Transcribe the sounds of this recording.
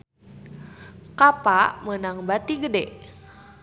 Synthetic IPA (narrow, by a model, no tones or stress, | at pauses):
kapamənaŋbat̪iɡədɛʔ